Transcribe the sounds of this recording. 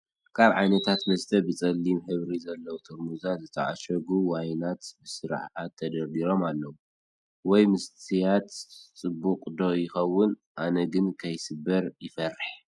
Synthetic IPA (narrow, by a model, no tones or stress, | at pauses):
kʰaβʕajnɐt̪ʰat̪mɐst̪ʰɐbɨt͡sʼɐlːimħɨβɾizɐlːɐwut̪ʰuɾmuzazɨt̪ʰɐ̰ʔa̰ʃɐɡuwajnat̪bɨsɨɾ̰ʕʕat̪ʰːɐd̪ɐɾd̪iɾo̞malːɐwu | wɔjmɨst̪ʰijat̪t͡sʼɨbːukʼd̪ojɪxɐwːʊnʔanɐɡɨnkʰɐjsɨbːɐɾjɪfɐrːɨħ